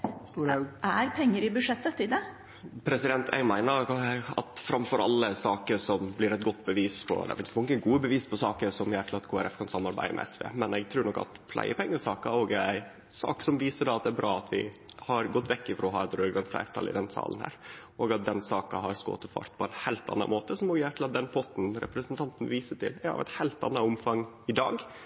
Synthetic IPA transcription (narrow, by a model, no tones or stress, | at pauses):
ʔæɾpʰɛŋːəɾɪbʉʂɛt̪ːət̪ɪd̪ɛ | pʰɾɛsɪd̪ɛnt̪ʰɛ̰ɡmæɪnəɾɑt̪fɾɑmfɔɾɑ̰lːəsɑːkəʂɔmblɪɾɛt̪̚ɡɔt̪ːbəʋiːspʰɔ̰d̪ɛ̰fɪnsmɔŋːəɡuːəbəʋiːspʰɔsɑːkəɾʂɔmjæʈ̪ʰlɑt̪kʰoːæɾɛfkʰɑnsɑmːɑɾbæ̰ɪə̰mɛ̰ɛsʋḛːmɛnɛɡ̚t̪ʰɾʉːɾnɔkːɑ̰t̪pʰlʔæ̰ɪʔəpʰɛŋːəsɑːkɑoːɡæɪ | sɑ̰ːksɔmʋiːsəɖɑːɑt̪̚d̪ɛæɾbɾɑːɑt̪ʰʋɪ̰hɑɾɡɔt̪ːʋɛkːɪfɾɔɔɦɑ̰ːɛt̪ɾøːɡɑnt̪flæ̰ɪɾt̪ʰɑ̰lɪ̰d̪ɛnsɑ̰ːln̩hæ̰ːɾʔoːɡɑt̪̚d̪ɛnsɑːkɑhɑɾsko̰ːt̪əfɑ̰ɾt̪pʰɔɛnhæɪlt̪ɑ̰nːɑ̰moːt̪əsɔmɔjæːɾt̪ʰl̩ɑt̪̚d̪ɛnpʰɔt̪n̩ɾɛ̰pɾəsənt̪ʰɑnt̪n̩ʋiːsəʈʰɪ̰lɑ̰ʋɛ̰t̪hæɪlt̪ɑ̰nːɑʊmfɑŋ | ɪd̪ɑːɡ